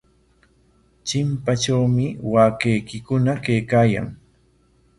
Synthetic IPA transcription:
t͡ʃɪmpat͡ʃawmɪwaːkejkɪkʊnakejkaːja̰ŋ

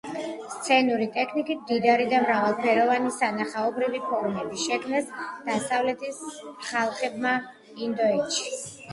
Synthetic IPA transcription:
st̪sʰɛnuɾit̪ʼɛkʰnikʼit̪̚ʰmd̪id̪aɾid̪amɾavalˠpʰɛɾɔvanisanaχaɔbɾivipʰɔɾmɛbiʃɛkʰmnasd̪̥asavlɛt̪ʰisχalˠχɛbma | ind̪ɔɛt̪ʃi

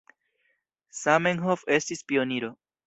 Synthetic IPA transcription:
sameŋɦofe̞stispio̞niɾo̞

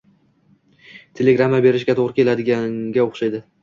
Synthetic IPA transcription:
t̪ʰe̞leɡɾamːabe̞ɾɪʃɡʲat̪ʰoʁɾɪkʲʰe̞lad̪ɪɡʲaŋɡʲaoχʃajd̪ɪ

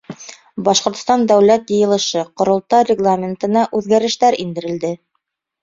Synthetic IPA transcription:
bɑʃqŏɾt̪̆st̪ɑnd̪æwlæt̪jɤ̆jɤ̆lˠɤ̆ʃɤqŏɾŏlˠt̪ɑrʲɪɡlˠamʲɪnt̪ɤ̆nɑʔʉðɡæɾɘ̆ʃt̪æɾind̪ɘ̆ɾɘ̆ld̪ɘ

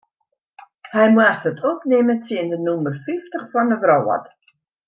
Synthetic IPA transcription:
hɛjmwastətʰopnɪmətjɪəndənumərfiftəχfɔndəvroːɔ̰t

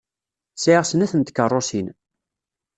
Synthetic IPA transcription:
sʕiʁsənæθənt̪kərˤːosin

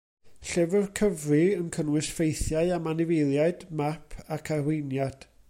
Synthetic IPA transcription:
ɬɛvərkʰəvrɨənkʰənwɨsfejθjaɨamanɪvejlˠjaɨd̥mapʰakʰawɪjnjad̥

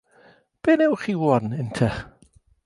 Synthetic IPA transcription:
b̥eːnɛwχiːwɔnɪntʰɛ

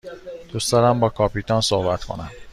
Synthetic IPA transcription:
d̪̥usd̪ɒɾæmbɒːkʰɒːpiːt̪ʰɒːnsohbæt̪kʰo̞̰næm

